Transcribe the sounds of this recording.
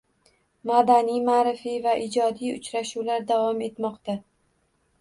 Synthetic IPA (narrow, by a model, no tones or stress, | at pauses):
mad̪anijmaːɾɪfivaʔɪd͡ʒɒd̪ijʊ̰t͡ʃɾaʃulaɾd̪avɒme̞t̪mɒqt̪a